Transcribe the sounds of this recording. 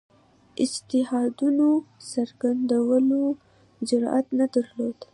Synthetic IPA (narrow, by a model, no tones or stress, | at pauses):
ɪd͡ʒt̪ɪɦɑd̪unosaɾɡand̪awəlo | d͡ʒʊɾɑʔat̪nad̪aɾlod̪